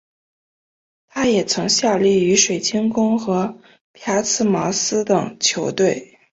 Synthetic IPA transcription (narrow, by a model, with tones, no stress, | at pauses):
t̪ʰa˥jɛ˨˩t͡sʰɤ˧˥ŋɕja˥˧li˥˩y˧˥ʂwe˨˩ɪt͡ɕʰi˥nkʊ˥ŋxɤ˧˥ | pʰja˧˥t͡sʰɹ̩˥˩mɑ˧˥sɹ̩˥t̪ɤ˨˩ŋt͡ɕʰjo˧˥ʊt̪we˥˩ɪ